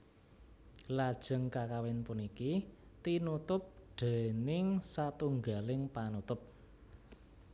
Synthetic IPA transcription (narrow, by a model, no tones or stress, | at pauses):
lad̥ʒ̥ə̤ŋkakawɪnpunikit̪inut̪ʊp̚ɖ̪̥e̤nɪŋsat̪uŋɡalɪŋpanut̪ʊp̚